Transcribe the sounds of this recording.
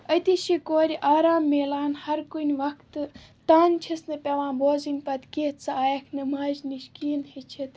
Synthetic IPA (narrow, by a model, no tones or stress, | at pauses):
ɐt̪iʃikoːɾʲiʔaːɾaːmːeːlaːnhɐɾkunʲʋɐkt̪t̪aːnt͡ʃʰisnɐpʲɐʋãːboːzinʲpɐt̪keːt̪sɐaːjɐkʰnɐmaːzniʃkiːnhet͡ʃʰit̪